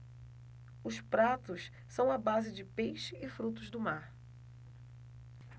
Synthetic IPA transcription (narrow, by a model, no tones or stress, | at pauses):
ʊspɾat̪ʊs | sɐ̃w̃ɐbazɪd͡ʒɪpejʃɪːfɾut̪ʊzd̪ʊmaɾ